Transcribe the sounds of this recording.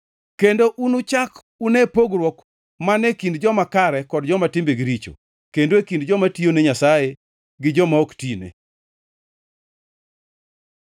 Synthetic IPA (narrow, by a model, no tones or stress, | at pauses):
kendoʔunut͡ʃak | unepoɡɾwɔk | manekindd͡ʒɔmakaɾɛkɔdd͡ʒɔmatɪmbeɡiɾit͡ʃo̰ | kendoekindd͡ʒɔmationeɲasaje | ɡɪd͡ʒɔmaoktinḛ